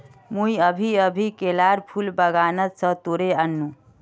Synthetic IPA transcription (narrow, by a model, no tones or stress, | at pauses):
muiəbʱiəbʱikelaɾpʰulbəɡanət̪sə̃t̪oɾeənːũ